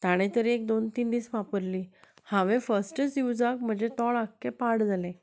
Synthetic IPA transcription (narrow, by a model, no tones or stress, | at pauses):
t̪aɽ̃ẽt̪əɾiek̚d̪ont̪iːnd̪iːsʋapəɾliː | hãʋẽfəsʈət͡sjud͡zak̚m̤əd͡ʑet̪ɔɭakːepaɽd͡zalẽ